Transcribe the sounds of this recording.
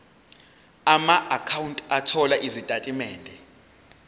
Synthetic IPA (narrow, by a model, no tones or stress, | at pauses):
amaʔakʰawuntʼatʰɔlaʔizitʼatʼimɛːndʱɛ